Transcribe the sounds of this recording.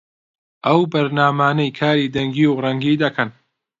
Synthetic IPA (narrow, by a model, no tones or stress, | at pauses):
ʔɐwbɐɾnaːmaːnɐjkʰaːɾiːd̪ɐŋɡiːwrɐŋɡiːd̪ɐkʰɐn